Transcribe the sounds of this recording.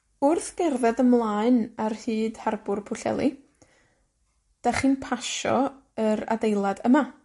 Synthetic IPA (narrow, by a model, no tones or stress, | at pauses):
ʊrθɡ̥ɛrðɛdəmlˠaːɨnarhɨːd̥harbʊrpʰʊɬɛ̰lˠi | d̥aχiːnpʰaʃɔ̰ | əɾa̰dejlˠadəma